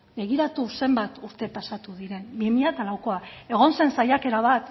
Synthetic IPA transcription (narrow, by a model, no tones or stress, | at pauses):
be̞ɣ̞iɾat̪use̞mbat̪uɾt̪e̞pasat̪uðiɾe̞nbimiat̪alawko̞ae̞ɣ̞o̞nse̞nsajake̞ɾaβ̞at̪